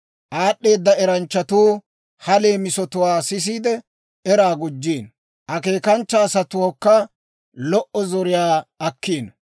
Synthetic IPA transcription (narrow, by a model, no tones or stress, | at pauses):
ʔaːɗːe̞ːd̪ːɐɛɾɐnt͡ʃːɐt̪uː | hɐle̞ːmɪsɔt̪ʊwaːsɪs̬iːd̪ɛ | ɛɾaːɡʊd͡ʒːiːn | ʔɐke̞ːkɐnt͡ʃːɐːsɐt̪ʊwoːkːɐ | lɔʔɔzɔɾɪjaːɐkːeːn